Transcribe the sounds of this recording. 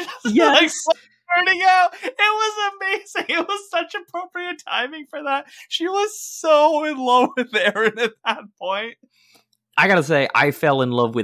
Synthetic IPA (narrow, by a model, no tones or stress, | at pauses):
zjaɪks | ɑ˞nɪ̃ŋaʊt̚ɪt̚wʌzɨmeɪz̥ɪ̃ŋɪt̚wʌz̥sʌt͡ʃɨpʰɹ̥oʊpɹiɨtʰã̰ɪ̃mɪ̃ŋfə˞ðæt̚ʃiwʌz̥soʊɨ̃nlʌvɨðɛɹɨ̃nɨt̪̚ðət̚p̚ʰɔ̃ɪ̃nt̚ | ʔaɪɡɑɾɨs̬eɪʔa̰ɪfɛlˠɨ̃nlʌvwɨ